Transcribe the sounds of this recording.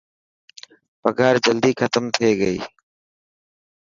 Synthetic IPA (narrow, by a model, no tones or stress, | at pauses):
pəɡʱaːɾd͡ʒəld̪iːkʰət̪əmt̪ʰeːɡəḭː